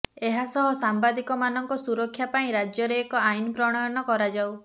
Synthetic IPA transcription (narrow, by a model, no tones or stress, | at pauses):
eɦasɔɦɔsambad̪ikɔmanɔŋkɔsuɾɔkʰːjapaĩɾad͡ʒjɔɾeːkɔajnɔpɾɔɽ̃ajɔnɔkɔɾad͡ʒaw